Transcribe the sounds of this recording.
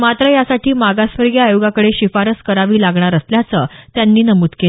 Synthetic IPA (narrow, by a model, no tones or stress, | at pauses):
mat̪ɾəjasaʈiːmaɡasʋəɾɡjaːjoɡakəɽeɕifaɾəskəɾaʋiːlaɡɳaɾəsljat͡səːt̪janːiːnəmuːt̪ke